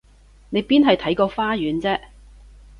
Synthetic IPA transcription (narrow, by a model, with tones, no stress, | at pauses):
ne˨˧jpiː˥nɦɐ˨jt̪ʰɐ˨˥jkɔː˧faː˥jyː˨˥nt͡sɛː˥